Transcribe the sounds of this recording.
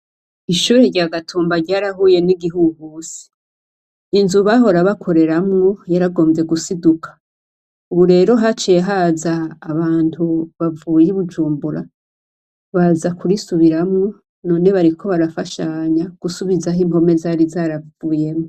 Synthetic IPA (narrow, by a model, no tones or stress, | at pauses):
iʃuːɾeɾɟaːɡatʰuːmbaɾɟaːɾahuːje̞niɡiɦuɡusi̥ | inzuβaɦo̞ɾaβakʰo̞ɾe̞ɾamŋojaɾaɡo̞ːmze̞ɡusidukʰḁ | uβuɾe̞ːɾo̞ɦat͡ʃeeɦazaːβaːntʰuβavuːjeiβud͡ʒuːmbuɾa | βazakʰuɾisuβiɾamŋo | no̞ːne̞βaɾikʰo̞βaɾafaʃaɲaɡ̥usuβizaɦimo̞me̞zaɾizaːɾavuːje̞mŋo